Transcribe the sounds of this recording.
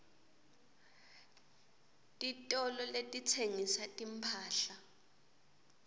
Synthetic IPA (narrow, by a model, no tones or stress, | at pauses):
tʼitʼɔlɔletʼitʰeŋisatʼim̩pʰaːɬa